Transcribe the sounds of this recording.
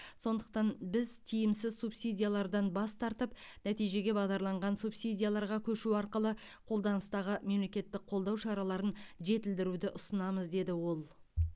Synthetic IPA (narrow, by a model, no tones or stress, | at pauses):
so̞nd̪əq̚t̪ɑnbɪzt̪ʰijɪmsɪzsupsid̪ʲijalˠɑɾd̪ɑnbɑst̪ʰɑɾt̪əp̚næt̪ijʒe̞ɡʲe̞bɑʁd̪ɑɾlˠɑɴʁɑnsupsijd̪ʲijalˠɑɾʁɑkʲʰɵʃuɑɾqəlˠə | qʰo̞lˠd̪ɑnəst̪ɑʁəme̞mle̞kʲe̞t̪ːɪk̚qʰo̞lˠd̪ɑwʃɑɾɑlˠɑɾənʒe̞t̪ɪld̪ɪɾud̪ɪʔʊsənɑməzd̪e̞d̪ɪwo̞lˠ